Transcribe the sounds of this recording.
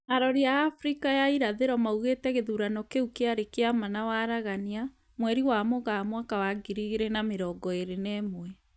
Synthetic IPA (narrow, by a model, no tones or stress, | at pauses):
aɾɔɾiaːfɾikajaiɾaðeɾɔmauɣetɛɣeðuɾanɔkeukeaɾekeamanawaɾaɣania | mwɛɾiwamoɣamwakawaɡiɾiɣeɾɛnameɾɔɡɔeɾenɛːmwɛ